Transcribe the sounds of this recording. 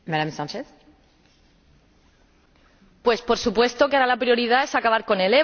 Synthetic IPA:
maðamsant͡ʃeθ | pwe̞spo̞ɾsupwe̞st̪o̞keaɾalapɾjo̞ɾiðaesakaβaɾko̞nele

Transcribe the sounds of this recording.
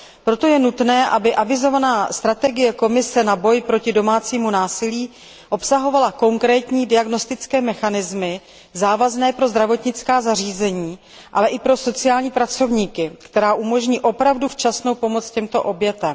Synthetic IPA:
pɾo̞t̪o̞jɛnut̪nɛːʔabɪʔavɪzo̞vanaːst̪ɾat̪ɛɡɪjɛko̞mɪsɛnabo̞jpɾo̞cɪdo̞maːt͡siːmunaːsɪliː | ʔo̞psaɦo̞valako̞ŋkɾɛːt̪ɲiːdɪaɡno̞st̪ɪt͡skɛːmɛxanɪzmɪ | zaːvaznɛːpɾo̞zd̪ɾavo̞t̪ɲɪt͡skaːzar̝iːzɛɲiː | ʔalɛʔɪpɾo̞so̞t͡sɪaːlɲiːpɾat͡so̞vɲiːkɪkt̪ɛɾaːʔumo̞ʒɲiːʔo̞pɾavduft͡ʃasno̞wpo̞mo̞t͡scɛmt̪o̞ʔo̞bjɛt̪ɛm

